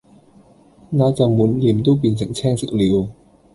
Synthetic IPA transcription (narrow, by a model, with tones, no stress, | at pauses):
naː˨˥t͡sa˨˩mu˨˥nli˨˩əmt̪uː˥pi˨˧˩nsa˨˩ŋ̚t͡ɕʰɛː˥˩ŋsɨ˨˩li˨˧əw